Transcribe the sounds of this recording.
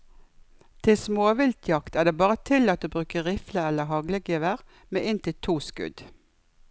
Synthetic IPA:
t̪ʰɪlsmoːʋɪlt̪ʰjɑkt̪æːd̪eːbɑːʁət̪ʰɪlɑt̪̚d̪ʉːbʁʉːkəʁɪfləɛləɦɑɡləɡeːʋəʁ | meːʔɪnt̪ɪlt̪ʰuːskʉ̰d̪

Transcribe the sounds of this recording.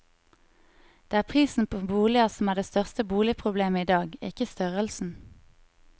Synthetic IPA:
d̪̥eːæːʁpʰʁiːsn̩pʰoːbuːlɪɑsɔmæːʁɖeːst̪œʁst̪əbuːlɪpʰʁʊbleːməiːd̪ɑːɡɪkəst̪œʁəlsn̩

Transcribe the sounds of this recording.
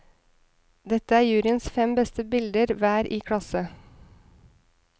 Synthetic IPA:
d̪ɛt̪əæːjʉːɾɪənsfɛmbɛst̪əbɪld̪əɾʋæːɾʔiːkʰɽɑsə

